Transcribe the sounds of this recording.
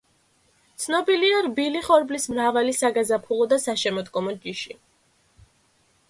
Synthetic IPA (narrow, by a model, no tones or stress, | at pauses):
t̪sʰnɔbiliaɾbiliχɔɾblismɾavalisaɡazapʰulˠɔd̪asaʃɛmɔd̪ɡɔmɔd͡ʒiʃi